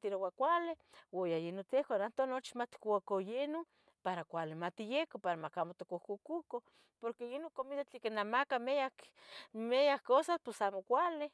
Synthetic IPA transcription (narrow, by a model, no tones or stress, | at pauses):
t̪iɾowakʷalewojajenot̪ehkanant̪onot͡ʃi̥mat̪kakojeno | paɾakʷalimat̪ijekopaɾamakamot̪okohkukuko | poɾkejenokomit̪at͡ɬekenamakameakmejakːosasposamokʷale